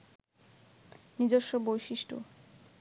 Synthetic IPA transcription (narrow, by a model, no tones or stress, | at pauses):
nid͡ʑoɾʃːobojʃiʃʈo̰